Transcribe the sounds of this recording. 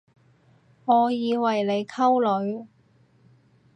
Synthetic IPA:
ŋɔː˨˧jiː˨˧wɐ˨˩jle˨˧jkʰɐ˥wlɵ˨˧ɥ

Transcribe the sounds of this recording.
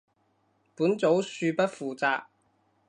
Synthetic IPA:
puː˨˥nt͡so˨˥wsyː˧pɐ˥t̚fuː˨t͡saː˧k̚

